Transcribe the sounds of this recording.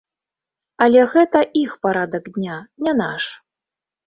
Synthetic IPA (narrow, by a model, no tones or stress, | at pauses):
ɐlʲɛɣɛt̪ɐʔixpaɾad̪ɐɡd̪ʲnʲanʲanaʂ